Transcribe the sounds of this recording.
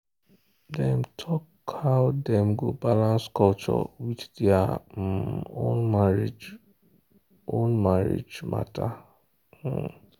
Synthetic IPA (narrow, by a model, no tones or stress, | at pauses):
dɛ̃mtʰɔkʰ | aʊtdɛ̃mɡobalãnskɔlt͡ʃɔ̰widdɛa | ond͡ʒ | õnmaɹḛd͡ʒmʔa̰tʰa